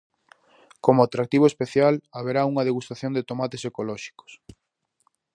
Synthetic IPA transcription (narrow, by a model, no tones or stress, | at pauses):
komoat̪ɾak̚t̪iβoespeθjalaβeɾauŋɐðeɣust̪aθjõnd̪et̪omat̪esekolɔʃi̥ko̥s